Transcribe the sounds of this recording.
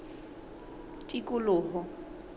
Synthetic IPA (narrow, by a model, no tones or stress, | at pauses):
tʼikʼʊlʊːɦɔ